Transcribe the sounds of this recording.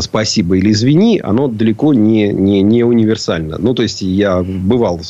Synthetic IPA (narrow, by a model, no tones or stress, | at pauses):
spɐsʲibəilʲɪzvʲɪnʲiʔɐ̰no̞d̪əlʲɪko̞nʲɪnʲɪnʲɪʊnʲɪvʲɪrsalʲnə̰nut̪o̞ɪsʲtʲjabɨvɑlˠ